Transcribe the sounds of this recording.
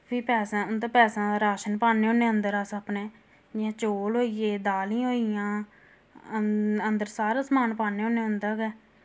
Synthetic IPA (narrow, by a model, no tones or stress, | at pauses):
pʰiːpɛːsãːʊnd̪aːpɛːsãːd̪aɾaːʃənpaːneːɦõːneːənd̪əɾaːsapneː | d͡ʒɪãːt͡ʃoːlɦoːijeːd̪aːlĩːɦoːijãː | ənd̪əɾsaːɾaːsmaːnpaːneːɦõːneːɦʊnd̪aːɡɛː